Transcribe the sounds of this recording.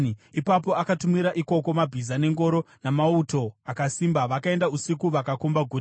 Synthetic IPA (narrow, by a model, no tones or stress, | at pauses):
ipapo̞akatumiɾaʔiko̞ko̞mabʱizane̞ŋɡo̞ɾo̞ | namauto̞akasimbaʋakae̞ndausikuʋakakombaɡʱu